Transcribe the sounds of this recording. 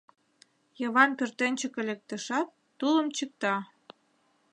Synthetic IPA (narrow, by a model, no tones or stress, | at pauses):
jɤβɑnpørt̪enʲt͡ɕəkəlʲek̚t̪ə̆ʃɑt̪ːulə̆mt͡ɕək̚t̪ɑ